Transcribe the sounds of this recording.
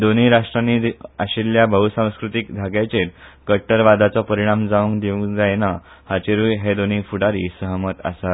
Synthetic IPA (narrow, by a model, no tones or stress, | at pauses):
d̪oniɾaʂʈɾaniaɕiljabʱəɦusãw̃skɾut̪ikd̪ʱaɡjat͡ɕeɾkəʈːəɾʋad̪ʱat͡sɔpəɾiɽ̃amd͡zaʋũŋkd̪iʋũd͡zajna | hat͡ɕeɾuːjɦed̪onifuɽaɾiːsəɦəmət̪a̰sat̪